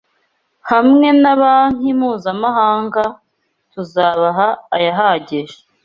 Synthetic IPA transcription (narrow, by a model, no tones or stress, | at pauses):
hamŋe̞naβan̥imuːzamahaːŋɡa | tuzaːβaɦaːjaɦaɟeʒe